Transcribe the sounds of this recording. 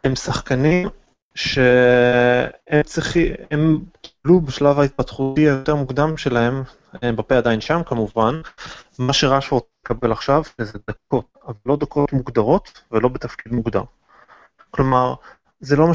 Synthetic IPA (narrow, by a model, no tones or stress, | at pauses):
emsaχkanim | ʃe̞ | emt͡siχiemkʰi̥blubeʃlavait̪̚pat̪χutiajot̪eʁmuɡd̪amʃe̞lahe̞m | ebapead̪ajinʃamkamuvanmaʃeʁaʃoot͡seekabelaχʃavʃezed̪ako̞t̚ | avalːo̞d̪ako̞tmuɡd̪aʁo̞t̪velo̞bet̪afkid̪muɡd̪a̰m | klo̞maʁ | zelo̞ma